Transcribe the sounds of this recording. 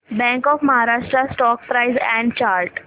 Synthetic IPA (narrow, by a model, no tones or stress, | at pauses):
bɛ̃ŋkɔːfməɦaɾaːʂʈɾasʈɔːk̚pɾaɪzɛ̃ɳɖt͡ɕaːɾʈ